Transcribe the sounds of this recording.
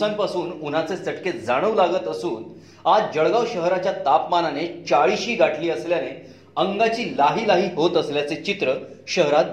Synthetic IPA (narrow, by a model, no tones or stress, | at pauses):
ampasuːnun̤at͡sesəʈket̪d͡zaɽ̃əʋlaɡət̪əsuːn | ad͡zd͡ʑəɭɡawɕəɦɾat͡ɕjat̪apmananet͡ɕaɭiɕiːɡʱaʈʰliːəsljane | əŋɡat͡ɕiːlaɦiːlaɦiːɦot̪əsljat͡set͡ɕit̪ɾəɕəɦɾat̪̚